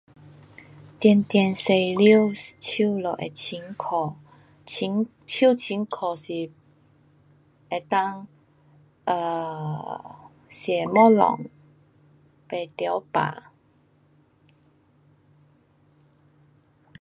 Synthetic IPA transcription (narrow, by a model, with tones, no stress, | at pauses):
t̪jɛ˧nt̪jɛ˧nse˧jli˥wt͡ɕʰu˥˧˨lɔ˨˩ʔḛ˨t͡ɕʰi˧˦˥nkʰɔ˨˩ | i˧˦n | t͡ɕʰi˥˨t͡ɕʰi˨˦nkʰɔ˨˩si˨˩ | e˨˩t̪a˥˧ŋ | ʔə˨ | sjɛ˨˩mɔ˥˨lɔ̰˨˩ŋ | pe˨˩t̪ja˧˦wpa̰˨